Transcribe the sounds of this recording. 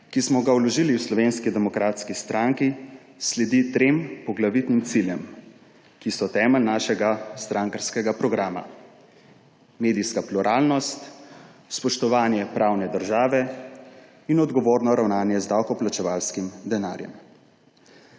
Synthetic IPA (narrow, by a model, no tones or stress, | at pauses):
kismɔɡawlɔʒiliwslɔʋenskid̪ɛmɔkɾaːt̪skist̪ɾaŋki | slɛd̪it̪ɾempɔɡlaʋit̪nimt̪siljɛm | kisɔt̪ɛːməlnaːʃɛɡast̪ɾaŋkəɾskɛɡapɾɔɡɾaːma̰ | meːd̪ijskapluɾʔaːlnɔst̪spɔʃt̪ɔʋaːnjɛpɾaːwnɛd̪əɾʒaːʋɛ | inɔd̪ɡɔʋoːɾnɔɾawnaːnjɛzd̪awkɔplat͡ʃɛʋaːlskimd̪ɛna̰ːɾjɛ̰m